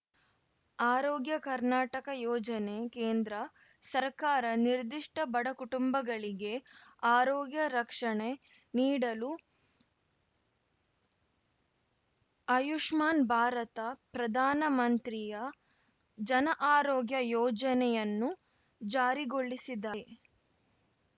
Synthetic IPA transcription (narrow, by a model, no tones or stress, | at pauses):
aːɾɔːɡjɐkɐɾnaːʈɐkɐjɔːd͡ʒɐne̞keːnd̪ɾɐ | sɐɾkaːɾɐniɾd̪iʂʈɐbɐɽɐkuʈumbɐɡɐɭiɡe̞aːɾɔːɡjɐɾɐkʂɐɳe | niːɽɐlu | ɐjuʂmaːnbʱaːɾɐt̪ɐpɾɐd̪ʱaːnɐmɐnt̪ɾijɐ | d͡ʒɐnɐʔaːɾɔːɡjɐjɔːd͡ʒɐnɛjɐnːu | d͡ʒaːɾiɡoɭːisid̪ɐ